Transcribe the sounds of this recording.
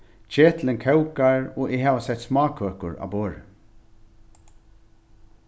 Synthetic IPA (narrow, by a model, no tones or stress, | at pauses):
t͡ʃeːt̪lɪnkʰɛwkaɹɔːʔɪɦaːvasɛht̪smɑːkʰœːkʊɹa̰ːboːɹ